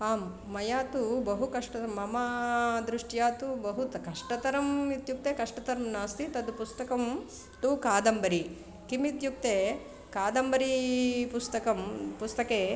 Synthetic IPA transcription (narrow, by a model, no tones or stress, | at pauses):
aːmː | ɐjaːt̪ubɐɦukɐʂʈɐt̪ɐmːɐmɐd̪ɾuʂʈjaːt̪ubɐɦut̪kɐʂʈɐt̪ɐɾɐmit̪juk̚t̪eːkɐʂʈɐt̪ɐɾɐmnaːst̪it̪ɐd̪upust̪ɐkɐm | ʈ̪ukaːd̪ɐmbɐɾi | kimit̪juk̚t̪eː | kaːd̪ɐmbɐɾipust̪ɐkɐmpust̪ɐkeː